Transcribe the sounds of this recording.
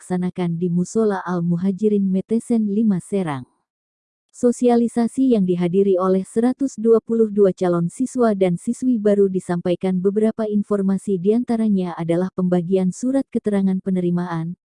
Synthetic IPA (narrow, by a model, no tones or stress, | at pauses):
ksanakandimusolaʔalmuɦad͡ʒiɾinmɛt̪ɛsɛnlimasɛɾaŋ | sosialisasijaŋdiɦadiɾiolɛhsəɾat̪usduapulʊhduat͡ʃalɔnsiswadansiswibaɾudisampajkanbəbəɾapainfɔrmasidiant̪aɾaɲaːdalahpəmbaɡiansuɾat̪̚kət̪əɾaŋanpənəɾimaan